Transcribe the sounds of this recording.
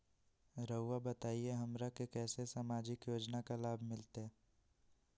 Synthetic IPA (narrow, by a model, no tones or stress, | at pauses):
ɾəʊwabət̪aːieɦɐmɾakekɛːsesamaːd͡ʒɪkjoːd͡ʒnakalaːbʱmɪlt̪eɦɛː